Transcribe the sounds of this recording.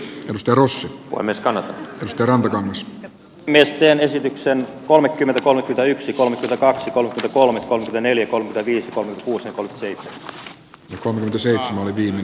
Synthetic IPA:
ʔedust̪ɑjɑrosːiʋo̰imeskɑnːɑt̪ɑedust̪ɑjɑɾrɑnt̪ɑkɑŋːɑs | mest̪eːnesit̪yksenkolmekːymːent̪æko̞lmekːˑyment̪æyksiko̞lmekːˑymet̪ækɑksijkolmekyment̪ækolmekolmekyment̪æneljækolmekyment̪æʋiːsjɑkolmeket̪ækuːsjɑkolmeky̥næseijt̪semæ | jɑkolmekyment̪æseit̪semænoliʋiːmːe

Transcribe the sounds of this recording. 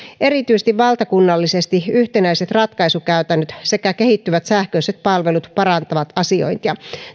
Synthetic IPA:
ʔe̞ɾit̪yjst̪iʋʋɑlt̪ɑkunːɑlːisest̪iyht̪enæiset̪rɑt̪kɑisukæyt̪ænːøt̪se̞kækehit̪ːyʋæt̪sæhkøiset̪̚pɑlʋe̞lut̪pɑɾɑnt̪ɑʋɑt̪ɑsio̞̰int̪jɑ

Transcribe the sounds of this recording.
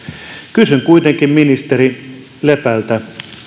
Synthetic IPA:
kysyŋkuit̪eŋkimminist̪eɾi | lepælt̪æ

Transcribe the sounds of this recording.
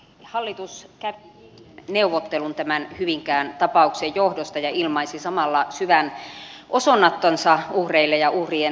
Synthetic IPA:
hɑlːit̪uskæʋi | neuʋot̪ːelunt̪æmænhyʋiŋkæːnt̪ɑpɑuksejjohdost̪ɑjɑilmɑisisɑmɑlːɑsyʋænʔosonːɑt̪ːonsɑuhreilːejɑʔuhrie

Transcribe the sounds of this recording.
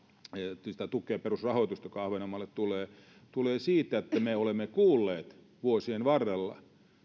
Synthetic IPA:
si̥t̪æt̪ukˑeːperusrɑhoit̪ust̪ɑjokɑɑhʋenomːˑɑlːet̪t̪uleː | t̪uleːsiːt̪ˑæet̪ːæmeolemːekuːlːeːt̪ | ʋuosienʋɑrːelːɑ̰

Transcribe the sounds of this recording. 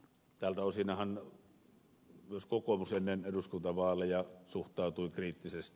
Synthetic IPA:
t̪æːlt̪æosiːnɑhɑn | myøskokomusenːeneduskunt̪ɑʋɑːlːɑjɑsuht̪ˑɑˑut̪uikriːt̪ːisest̪i

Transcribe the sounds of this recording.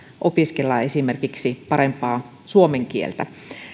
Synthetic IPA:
ʔopiskelːɑe̞sime̞rkiksipɑɾempɑː | suomeŋkiḛlt̪æ

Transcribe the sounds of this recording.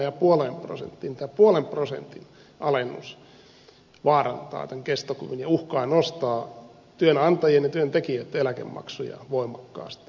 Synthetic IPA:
jɑpuoleːmpro̰sḛnt̪ːint̪æːpuolemprosḛnt̪in | ʔɑlenːus | ʋɑːrɑnt̪ɑ̰ːt̪æŋkest̪okṵʋinjɑuhkɑinost̪ɑː | t̪yønɑnt̪ɑjienjɑt̪yønt̪ekiøt̪ːelækḛmːɑ̰ksujɑ̰ʋoimɑkːɑ̰ːst̪

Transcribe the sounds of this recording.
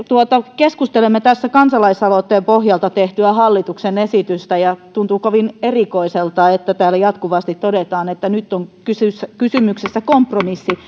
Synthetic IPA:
t̪uot̪ɑkeskust̪elemːet̪æsːækɑnsɑlɑisɑlot̪ːeːmpohjɑlt̪ɑt̪eht̪yæhɑlːit̪uksenesit̪yst̪æjɑt̪unt̪ukoʋinerikoiselt̪ɑet̪ːæt̪æːlːæjɑt̪kuʋɑst̪it̪todet̪ɑːnet̪ːænyt̪ːoŋkysysːækysymyksesːækompromisːi

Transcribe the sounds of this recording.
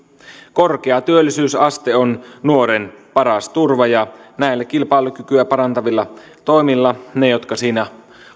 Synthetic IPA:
ko̞rk̟eɑt̪yølːisyːsɑst̪eonnuo̞ɾenpɑɾɑst̪urʋɑjɑnæˑilːækilpɑˑelukykyæpɑɾɑnt̪ɑʋilːɑ | t̪o̞imilːɑnejo̞t̪kɑsiːnæ

